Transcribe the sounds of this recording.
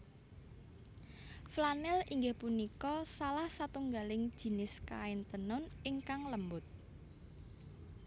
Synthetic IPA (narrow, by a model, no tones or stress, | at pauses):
flanɛliŋɡɪhpunikɔsalahsat̪uŋɡalɪŋd̥ʒ̥i̤nɪska̰ɪnt̪ənʊnɪŋkaŋləmbʊt̪̚